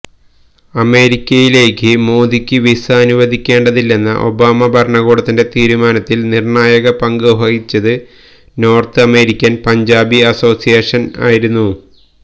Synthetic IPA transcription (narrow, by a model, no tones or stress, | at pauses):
ɐme̞ːɾikʲːɐjile̞ːkːɨmo̞ːd̪ikʲːɨʋisɐːnuʋɐd̪ʱikʲːe̞ːɳɖɐðilːe̞nːɐ̰ʔo̞̰baːmɐbʱɐɾɳɐɣo̞ːɽɐt̪ːinde̞t̪iːɾumaːnɐt̪ːilnirɳaːjɐɣɐpɐŋɡɨɦɐɣit͡ɕːɐðɨ | no̞ːrt̪ɨɐme̞ːɾikʲːɐnpɐɲd͡ʑaːbiɐso̞ːsijeːʂɐna̰ːjiɾunːu